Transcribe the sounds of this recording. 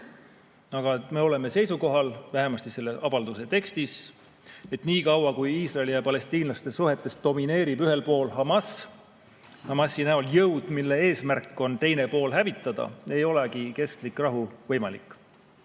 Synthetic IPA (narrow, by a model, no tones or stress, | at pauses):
ɑɡ̥ɑt̪me̞o̞le̞me̞se̞jsuko̞ɦɑlvæɦe̞mɑst̪ise̞lːe̞ʔɑbɑld̪use̞t̪e̞kst̪is | e̞t̪niːkɑwɑkujiːsrɑelijɑpɑle̞st̪iːnlɑst̪esuɦe̞t̪ːˑe̞st̪̚d̥̪o̞mine̞ːɾibyɦe̞lpo̞ːlɦɑmɑs | hɑmɑsːinæoljɤwd̪̥milːe̞e̞ːsmærkːˑo̞nt̪e̞jne̞po̞ːlɦævit̪ːˑɑd̪̥ɑ̰e̞jo̞le̞kike̞st̪likrɑɦuvɤjmɑlḭkːˑ